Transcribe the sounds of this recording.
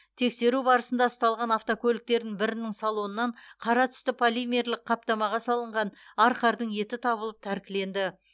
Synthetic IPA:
t̪ʰe̞kse̞ɾubɑɾəsənd̪ɑst̪ɑlˠʁɑnɑft̪okʲʰɵlɪk̚t̪e̞ɾd̪ɪŋbɪɾɪnɪŋsɑlˠo̞nənːɑɴqʰɑɾɑt̪ʰʏ̥st̪ɪpʰolimʲeɾlɪqqʰɑp̚t̪ɑmɑʁɑsɑlˠəɴʁɑnɑɾqɑɾd̪əɴje̞t̪ɪt̪ʰɑbəlˠəp̚t̪ʰæɾkʲɪle̞nd̪ɪ

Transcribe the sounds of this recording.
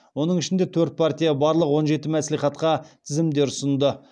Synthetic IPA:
wo̞nəɴɪʃɪnd̪e̞t̪ʰɵɾt̪̚pʰart̪ʲijabɑɾlˠəqwo̞nʒe̞t̪ɪmæsliχɑt̪qɑt̪ʰɪzɪmd̪e̞ɾʊsənd̪ə

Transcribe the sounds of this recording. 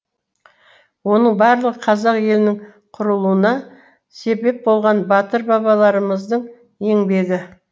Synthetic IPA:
wo̞nəɴbɑɾlˠəʁəqʰɑzɑqje̞lɪnɪŋ | qʰʊɾəlˠuənɑ | se̞be̞p̚bo̞lˠʁɑnbɑt̪əɾbɑβɑlˠɑɾəməzd̪əɴ | e̞ŋbe̞ɡʲɪ

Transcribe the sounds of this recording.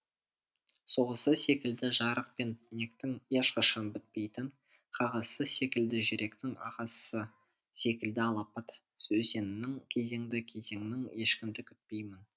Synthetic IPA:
so̞ʁəsəse̞kʲɪld̪ɪʒɑɾəq̚pe̞nnʲekt̪ɪŋjeʃqɑʃɑnbɪt̪̚pe̞jt̪ɪɴ | qʰɑʁɑz̥səse̞kʲɪld̪ɪʒɪɾʔe̞kt̪ɪŋɑ̰ʁɑsə̥sə | se̞kʲɪld̪ɪɑlˠɑpɑt̪ | ɵse̞nɪnɪŋkʲʰe̞ze̞ŋd̪ɪkʲʰe̞ze̞ŋnɪŋe̞ʃkʲɪmd̪ɪkʲʰʏt̪̚pe̞jmɪn

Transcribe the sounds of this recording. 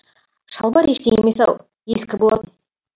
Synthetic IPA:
ʃɑlˠbɑɾe̞ʃt̪eeme̞sɑw | je̞skʲɪbolˠɑt̪ən

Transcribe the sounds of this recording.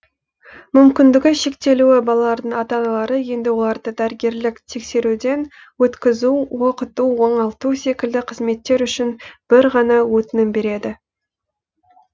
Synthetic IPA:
mʏmkʲɪnd̪ɪɡʲɪʃe̞kt̪e̞luɪbɑlˠɑlˠɑɾd̪əɴɑt̪ɑnɑlˠɑɾəje̞nd̪ɪwo̞lˠɑɾd̪əd̪æɾɡʲe̞ɾlɪkt̪ʰe̞kse̞ɾud̪e̞n | wɵt̪kʲɪzuwoqət̪uwo̞ɴɑlˠt̪use̞kʲɪld̪ɪqʰəzme̞t̪ːe̞ɾʏʃɪnb̥ɪɾʁɑnɑwɵt̪ɪnɪmbe̞ɾe̞d̪ɪ

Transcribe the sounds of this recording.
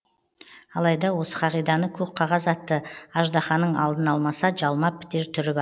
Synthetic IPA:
ɑlˠɑjd̪ɑwo̞sə̥qʰɑʁijd̪ɑnəkʲʰɵp̚qʰɑʁɑzɑt̪ːəɑʒd̪ɑχɑnːəɴʔɑlˠd̪ənɑlˠmɑsɑʒɑlˠmɑpʰːɪ̥t̪eɾt̪ʰʏɾɪbɑ

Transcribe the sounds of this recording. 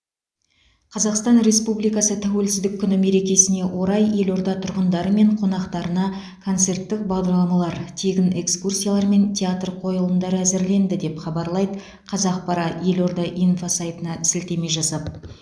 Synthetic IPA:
qʰɑzɑqst̪ɑnɾe̞spublijkɑsət̪ʰæwe̞lsɪzd̪ɪkʲʰːʏnɪme̞ɾe̞kʲe̞sɪne̞wʔo̞ɾɑje̞lo̞ɾd̪ɑt̪ʰʊɾʁənd̪ɑɾəme̞ɴqʰo̞nɑqt̪ɑɾənɑ | kʰo̞nt̪se̞rt̪ːɪk̚bɑʁd̪ɑɾlˠɑmɑlˠɑɾt̪ʰeɡʲɪne̞kskursʲijalˠɑɾme̞nt̪ʲʰeat̪rqʰo̞jəlˠənd̪ɑɾəæzɪɾle̞nd̪ɪd̪e̞pχɑbɑɾlˠɑjd̪ə | qʰɑzɑq̚pʰɑɾɑje̞lo̞ɾd̪ɑʔijnfosajt̪ənɑɪsɪlt̪e̞me̞jʒɑsɑp

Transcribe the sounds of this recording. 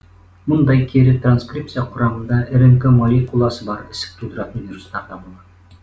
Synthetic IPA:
mʊnd̪ɑjkʲʰeɾɪt̪ranskrʲip̚t̪sɨjɑqʰʊɾɑmənd̪ɑʔɘɾɘŋkemɑlʲikulˠɑsəbɑɾɪsɪ̥k̚t̪ʰud̪əɾɑt̪ənvʲiɾust̪ːˠɑɾd̪ɑbulˠɑd̪

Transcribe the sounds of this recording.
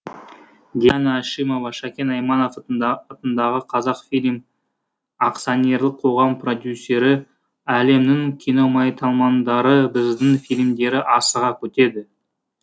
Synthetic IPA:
d̪ʲijanaʃijmo̞vɑʃɑkʲe̞nɑjmɑnofɑt̪ənd̪ɑʁəqʰɑzɑqfilʲm | ɑqt̪sonʲe̞rlˠəqʰo̞ʁɑmpro̞d̪ʲjusʲːe̞ɾɪ | æle̞mnɪŋkʲʰino̞mɑjt̪ʰɑlˠmɑnd̪ɑɾəbɪzd̪ɪŋfʲijlʲmd̪e̞ɾɪʔɑsəʁɑkʲʰɵt̪e̞d̪ɪ

